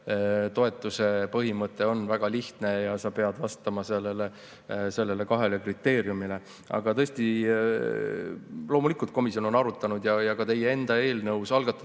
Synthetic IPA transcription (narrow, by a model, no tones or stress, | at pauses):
t̪o̞e̞t̪ːˑuse̞pɤɦimɤt̪ˑːe̞o̞nvæɡ̥ɑliht̪ne̞jɑsɑpe̞ɑd̪̥vɑst̪ɑmɑselːe̞le | se̞lːe̞le̞kɑɦe̞le̞krit̪ːe̞ːɾjumile̞ | ʔɑ̰ɡ̥ɑt̪ɤ̞sʲt̪i | lo̞ːmulikult̪̚ko̞misijo̞nonɑɾut̪ːˑɑnud̪̥jɑjɑkɑt̪e̞jee̞nd̪̥ɑe̞ːlnɤwsɑlɡ̥ɑt̪ːˑɑ